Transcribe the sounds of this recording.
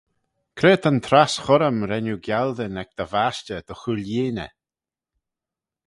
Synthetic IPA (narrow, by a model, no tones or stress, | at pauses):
kʰɾeːt̪ʰənt̪ʰɾasxɔɾəmɾɛnuɡjald̪ənɛk̚d̪̥əvast͡ʃəd̪̥ɔxuljiːnə̰